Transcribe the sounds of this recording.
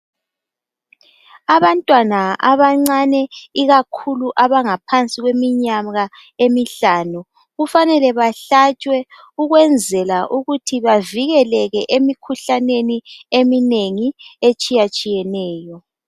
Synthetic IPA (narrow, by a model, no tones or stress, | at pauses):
aβantʼwanaʔaβaŋ͡ǀanɛiɣakʰuluʔaβaŋapʰant͡sʼiɣwemiɲaɣa | emiɬaːnu | ɣufanɛlɛβaɬat͡ʃʼwɛ | uɣwɛnd͡zʱɛlaʔuɣutʰiβaviɣɛlɛɣɛʔemikʰuɬaneniemineŋiet͡ʃʼijat͡ʃʼijɛnɛːjɔ